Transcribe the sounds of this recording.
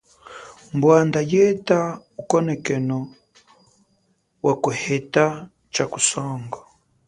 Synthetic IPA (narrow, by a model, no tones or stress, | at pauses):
mbwandajɛtaukɔnɛkɛnɔ | wakuhɛta | t͡ʃaku̥sɔŋɡɔ